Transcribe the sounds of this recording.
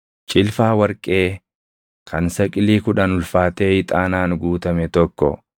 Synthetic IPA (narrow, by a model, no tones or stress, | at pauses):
t͡ʃʼɪlfaːwɐɾkʼːe̞ː | kʰɐnsɐkʼɪliːkʊᶑɐnʊlfaːt̪e̞ːɪt̪ʼaːnaːnɡuːt̪ɐmɛt̪ɔkːɔ̰